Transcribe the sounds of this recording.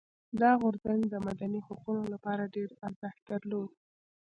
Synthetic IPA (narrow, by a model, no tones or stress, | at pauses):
d̪ɑɣʊɾzand̪əmad̪anihoqunolapɑɾaɖeɾaɾzəxt̪̚d̪əɾlod̪